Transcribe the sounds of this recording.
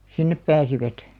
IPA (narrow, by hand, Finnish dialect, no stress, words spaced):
sinːep pæːsiʋæt